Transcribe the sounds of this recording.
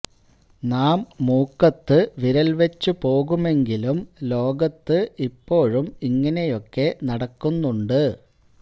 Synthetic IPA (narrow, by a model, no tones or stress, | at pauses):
naːmːuːkːɐt̪ːɨʋiɾɐlʋet͡ɕːupo̞ːɣume̞ŋɡilumlo̞ːɡɐt̪ːɨʔipːo̞ːɻumiŋːɐne̞jo̞kːe̞nɐɽɐkːunːuɳɖɨ